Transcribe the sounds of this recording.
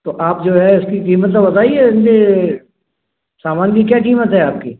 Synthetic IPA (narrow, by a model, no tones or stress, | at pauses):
t̪oːʔaːpd͡ʒoːɦɛʊskiqiːmət̪labɐt̪aːiɛɪnd̪e | saːmaːnkik̬jaːkiːmət̪ɦɛaːp̚kiː